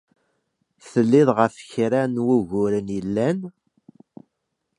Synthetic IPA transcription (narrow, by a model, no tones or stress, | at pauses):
θəlːɪðˤʁəɾfçɾænwuʝʊɾənjəlːæn